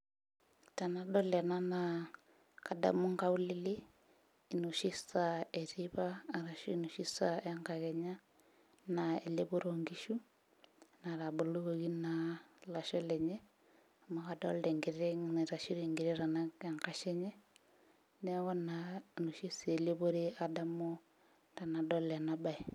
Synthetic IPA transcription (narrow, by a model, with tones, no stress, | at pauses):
ta˨na˦dɔ˦lɛ˨na˦na˨ | ka˨da̰˨mu˦ŋɡa˦u˦li˦liː˦˨ | nu˨ʃi˦sa˨ɛ˨ɾi˦βaː˦˨ɾa˨ʃi˦nu˨ʃi˦sa˨a˦ŋɡa˨ɣɛ˨ɲa˦ | na˨e˨le˦bo˦ɾo˨ŋɡi˦ʃu˦ | naɾa˨bo˨lo˦ɣoɣi˦nala˨ʃɔ˦lɛ˨ɲɛ˦ | ma˨ɣadɔ̰˦lɾɛ˨ŋɡi˨ɾɛ˦n˨ɾa˨ʃi˦ɾeŋɡi˨ɾe˦ɾa˨naeŋka˨ʃɛ˦ɲɛ˦ | nɛ˦ɣɔ˦nano˨ʃi˦se˨le˦βo˦ɾe˦a˨da˦mo˦ | ta˨na˨dɔ˦lɛ˨naba˨i˨